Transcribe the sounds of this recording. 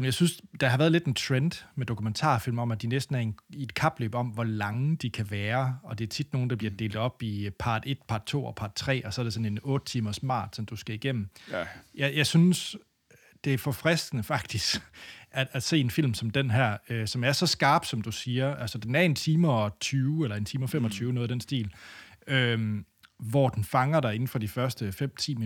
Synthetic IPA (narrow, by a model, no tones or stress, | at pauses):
jɑ̈ɪsynsd̥ɑ̈ɦɑʋæːɐð̩ˠle̝d̥ent͡sʰʁend̥med̥o̝kʰument͡sʰɑ̰̈ːfil̰mɒ̽mæd̥inesd̥n̩æɐened̥kʰɑ̈b̥lø̰ːb̥ɒ̽m̰ʋɒlɑ̈ŋəd̥ikʰæʋæːɐɒ̽d̥e̝æɐt͡sʰid̥no̝ːn̩d̥ɑbliɐd̥e̝ːld̥ɒ̽b̥ipʰɑ̈ːd̥e̝d̥pʰɑ̈ːd̥̚t͡sʰo̝̰ːɒ̽pʰɑ̈ːd̥t͡sʰʁɛ̰ːɒ̽sɒ̽ɐɾ̥esɒ̽ne̝nɔ̽ːd̥ət͡sʰiːmɐsmɑ̰̈ːd̥sɒ̽nd̥usɡ̥æiɡ̥em̰m̩jɑjɑ̈ɪsyns | d̥e̝æɐfɒ̽fʁɛsd̥ənəfɑ̈ɡ̥̚d̥isɡ̥ææse̝̰ːe̝nfil̰msɒ̽md̥enɦæɐ̰øsɒ̽mæɐsɒ̽sɡ̥ɑ̈ːb̥sɒ̽md̥usiːɐʔælsɐd̥enæɐe̝nt͡sʰiːmɐɒt͡sʰyːʊelɐe̝nt͡sʰiːmɐfemɒ̽t͡sʰyːʊnɔːðˠd̥ensd̥ḭːløm | ʋɒd̥en̩fɑ̈ŋɐɾ̥ɑ̈e̝n̩fɒ̽d̥ifɶɐsd̥əfem̰t͡sʰḭːm